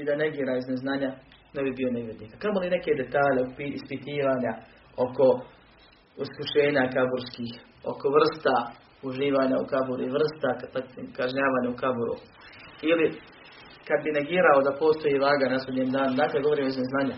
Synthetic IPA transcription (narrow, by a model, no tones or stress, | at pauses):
id̪ane̞ɡiːɾaizneznaːɲa | nebibio̞neʋjed̪niːkakamoline̞ke̞d̪e̞t̪aːʎepiispit̪iːʋaːɲa | o̞ko̞ | uskuʃe̞ːɲakaboɾskiːx | o̞̰ko̞ʋr̩st̪a | uʒiːʋaːɲaṵkabuɾuiʋr̩st̪akaʒɲaːʋaːɲaukabuɾṵ | ili | kad̪bine̞ɡiːɾaod̪apo̞ːst̪o̞jiːʋaːɡanasled̪ɲeːmd̪aːnud̪aːkleɡo̞ʋo̞ɾiːmoizneznaːɲa